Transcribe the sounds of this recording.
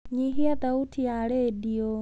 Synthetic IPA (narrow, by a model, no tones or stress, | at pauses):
ɲiɦiat̪autʰijaledio